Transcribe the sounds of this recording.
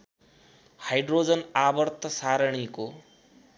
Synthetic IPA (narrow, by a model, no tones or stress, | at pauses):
hajɖɾoːd͡zənabəɾt̪ʰəsaɾɳ̃iko